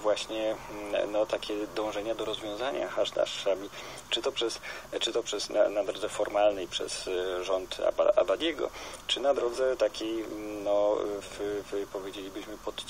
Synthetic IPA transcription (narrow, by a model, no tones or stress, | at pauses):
vwaɕɲɛnɔt̪akʲɛd̪ɔ̃w̃ʐɛɲad̪ɔɾɔzvʲjɔ̃w̃zaɲa̰xaʐd̪a̰ʂːabʲi | t͡ʂɘt̪ɔpʂɛst͡ʂɘt̪ɔpʂɛsna̰nad̪ɾɔd̪zɛfɔɾmalnɛjpʂɛ̰sʐɔnt̪a̰ba̰abad̪ʲjɛɡɔ̰t͡ʂɘnad̪ɾɔd̪zɛt̪akʲejnɔffpɔvʲjed͡ʑelʲibɘɕmɘpɔt̪